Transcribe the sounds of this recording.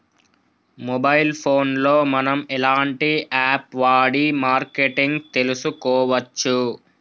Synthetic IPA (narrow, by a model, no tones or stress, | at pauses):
mɔbɐjlpʰoːnlo̞ːmɐnɐmɛlaːɳʈiʔaːpʋaːɽimaːɾkeʈiŋɡt̪e̞lusukɔːʋɐt͡ʃːu